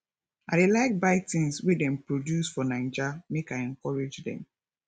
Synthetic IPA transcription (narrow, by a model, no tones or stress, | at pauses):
adelaɪk̚baɪtĩnswidɛ̃mpɹodjusfɔnãɪd͡ʒamekaɛ̃ŋkɔɹed͡ʒdɛ̰̃m